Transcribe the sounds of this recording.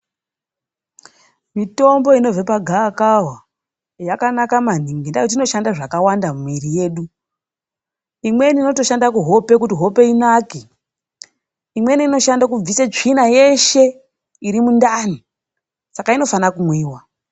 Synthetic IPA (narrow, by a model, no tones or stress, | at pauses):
mito̞mbo̞ino̞vepaɡʱaːkawa | jakanakaman̤iŋɡinda̰jot̬ino̞ʃandaʐakawandamiɾije̞ːɗu | imwe̞niːno̞to̞ʃandakuɦo̞pe̞kutiɦo̞pe̞inaːki | imwe̞niːno̞ʃandak̬ub͡visat͡ʂinaje̞ʃe̞ | iɾimundani | sakaino̞fanakumwiːwa